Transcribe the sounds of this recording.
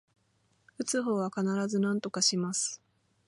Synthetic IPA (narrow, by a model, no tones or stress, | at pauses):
ɯ̟t͡sɨɦo̞ːβakanaɾazɨnãnt̪o̞kaɕimasɨ̥